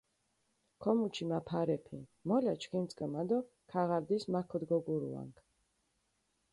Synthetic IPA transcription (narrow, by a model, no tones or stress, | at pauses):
kʰɔmut͡ʃʰimapʰaɾɛpʰimɔlat͡ʃʰkint̪t͡s̪ʼkʼəmad̪ɔ | kʰaʁaɾd̪ismakʰɔd̪ɡɔɡuɾṵa̰ŋkʰ